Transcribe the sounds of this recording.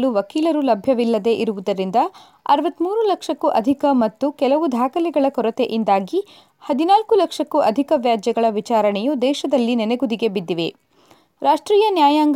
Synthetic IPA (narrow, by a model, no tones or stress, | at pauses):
luʋɐkiːlɐɾulɐbʱjɐʋilːɐd̪e̞ʔiɾuʋud̪ɐɾind̪ɐ | ɐ̰ɾʋɐt̪ːmuːɾulɐkʂɐkːuʔɐd̪ʱikɐmɐt̪ːukɛlɐʋud̪ʱaːkɐlɛɡɐɭɐkɔɾɐt̪eʔind̪aːɡi | hɐd̪inaːlkulɐkʂɐkːuʔɐd̪ʱikɐʋjaːd͡ʒjɐɡɐɭɐʋit͡ʃaːɾɐɳɛjud̪ɛːʃɐd̪ɐlːinɛneɡud̪iɡe̞bid̪ːiʋe̞ | ɾaːʂʈɾiːjɐnjaːjaːŋɡ